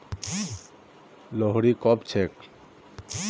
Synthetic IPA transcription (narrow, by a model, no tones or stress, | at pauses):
lɔɦɽikɔpt͡ɕʰek